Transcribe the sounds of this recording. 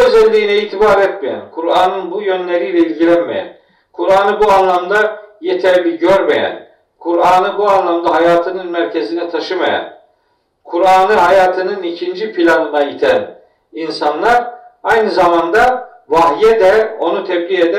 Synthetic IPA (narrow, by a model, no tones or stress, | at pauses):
øzɛlʲːiːnɛiːt̪ʰibaːɾɛt̪mijæ̰nkʰuɾaːnɯnbujønlʲeɾilʲɛizʲɟ̪ʲiɾɛmḛjæ̰n | kʰuɾaːnɯbuanlˠamd̪ajet̪ʰæɾlʲiɟøɾmejæ̰n | kʰuɾaːnɯbuanlˠamd̪aɦajaːt̪ʰɯnɯnmæɾcʰezinɛt̪ʰaʃɯma̰ja̰n | kʰuɾaːnɯɦajaːt̪ʰɯnɯnicʰind͡ʒipʰilʲanɯnajit̪ʰæn | insanlˠaɾajnɯzamand̪a | vaɦjɛd̪ɛo̞nut̪ʰɛbd̪ʲied̪æ